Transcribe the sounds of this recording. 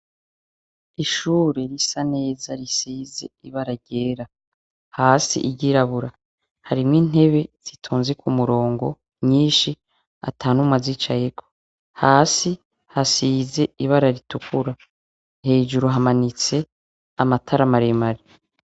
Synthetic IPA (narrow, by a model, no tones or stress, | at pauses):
iʃuːɾeɾisane̞ːzaɾisiːze̞iβaɾaɾɟeːɾa | haːsḭʔiɟiɾaβuɾa | haɾimŋiːn̥e̞βe̞z̥itʰuːnziekʰumuɾo̞ːŋɡo̞ | mɲiːʃi | a̰tʰaːnumŋazit͡ʃajekʰo | haːsi | hasiːze̞iβaɾaɾitukʰuɾa | he̞ːʒuɾuɦamanit͡se̞ | amatʰaɾamaɾemaɾi